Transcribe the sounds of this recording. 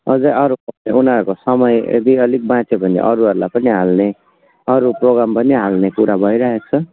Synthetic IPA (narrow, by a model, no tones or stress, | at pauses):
ʌd͡zʌjʌɾupʌneunaɾukosʌmʌjḛd̪iʌlik̚bãt͡sʰepʌnḭʔʌ̰ɾuɦʌɾulajpʌniɦalne | ʌɾuproɡɾampʌniɦalnekuɾabʱʌjɾʌɦek̚t͡sʰʌ